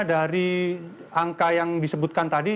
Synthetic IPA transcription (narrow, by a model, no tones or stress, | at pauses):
daɾi | aŋkajaŋdisəbut̪̚kant̪adi